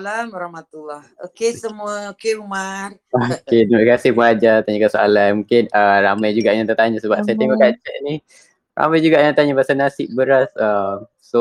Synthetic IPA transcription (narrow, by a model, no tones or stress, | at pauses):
lamɾahmat̪ulːahokesəmuəokeumar | oked̪əməkasɪhpuŋad͡ʒat̪aɲakəsoa̰lanmuŋkɪnəramajd͡ʒuɡaʔjãŋt̪ərt̪aɲasəbap̚sajat̪ɛŋɔʔkat͡ʃəʔni | ra̰majd͡ʒuɡaʔjãt̪aɲabasanasɪʔ̚bəɾasəm | so